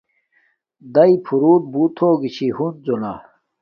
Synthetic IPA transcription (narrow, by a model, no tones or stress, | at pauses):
d̪ɐipʰuɾuːt̪̚but̪ʰoːɡit͡ɕʰihund͡zona̰